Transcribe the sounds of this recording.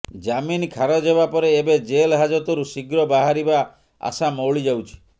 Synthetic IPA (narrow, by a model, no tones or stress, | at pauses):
d͡ʒaminkʰaɾɔd͡ʒɦeβapɔɾeːbed͡ʒelɦad͡ʒɔt̪ɔɾusiɡɾɔbaɦaɾiba | a̰samɔwɭid͡ʒawt͡ʃʰi̥